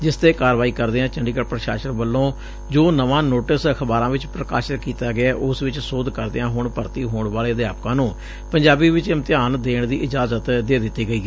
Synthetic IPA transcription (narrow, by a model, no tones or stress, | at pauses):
d͡ʒɪst̪eːkaːɾʋaːiːkəɾd̪eːãːt͡ʃəɳɖiːkəɾpɾəʃa̰ːʃəɾbəlːõː | d͡ʒoːnəʋãːnoːʈəsəkʰəbaːɾãːʋɪt͡ʃpɾəka̰ːʃɾkiːt̪aːɡɪaːʔʊsʋɪt͡ʃsʊd̪kəɾd̪eãːɦʊɳpəɾt̪iːɦoːɳʋaːleːd̪jaːpkãːnũː | pəɲd͡ʒaːbiːʋɪt͡ʃɪmt̪ɪjaːnd̪eːɳd̪iːʔɪd͡ʒaːzət̪d̪eːd̪ɪt̪ːiːɡəiː